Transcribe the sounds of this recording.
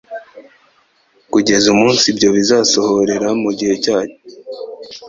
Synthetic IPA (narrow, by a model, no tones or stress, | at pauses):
kuɟe̞zumuːnsibɟo̞βizaːso̞ho̞ɾe̞ɾamuɟihe̞caːɲo̥